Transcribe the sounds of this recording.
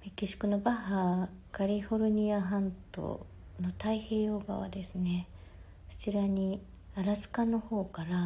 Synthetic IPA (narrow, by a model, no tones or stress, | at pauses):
mekʲːiɕi̥kɯ̟no̞baɦaɡ̥aɾʲihoɾɯ̟ɲ̟iaɦãnt̪o̞̰ | no̞t̪aihe̞ːjo̞ːɡa̰βa̰d̪e̞sɨne̞ | kɯ̥t͡ɕiɾaɲ̟i | aɾazɨ̥kano̞ho̞ːkaɾa